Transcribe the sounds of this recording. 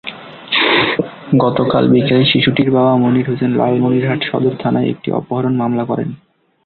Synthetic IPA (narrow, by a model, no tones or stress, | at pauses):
ɡɔt̪oka̰lbikaliʃiʃuʈiɾbabamoniɾɦosenlɔ̰almoniɾɦaʈʃɔ̰d̪oɾt̪ʰanaeḛk̚ʈḭʔɔ̰poɦaɾonmamlakɔɾḛn